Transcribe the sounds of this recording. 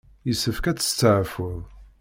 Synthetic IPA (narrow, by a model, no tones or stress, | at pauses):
jəsːəfkæt͡sːə̥st͡sːəʕfəðˤ